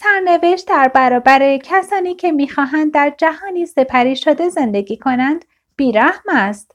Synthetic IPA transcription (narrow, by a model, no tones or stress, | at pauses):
sæɾne̞ve̞ʃt̪̚d̪æɾbæɾɒːbæɾecʰæsɒːniːcʰe̞miːxɒːɦænd̪̚ːæɾd͡ʒæhɒːniːse̞pʰæɾiːʃod̪e̞ze̞nd̪e̞ɡiːkʰo̞nænd̪̥ | b̥iːɾæhmæst̪